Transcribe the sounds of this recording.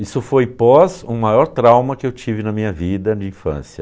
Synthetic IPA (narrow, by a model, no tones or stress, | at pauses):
isʊfojpɔzʊmajɔɾt̪ɾawmɐkɪewt͡ʃivɪnɐmĩɲɐvid̪ɐd͡ʒɪĩfɐ̰̃sjɐ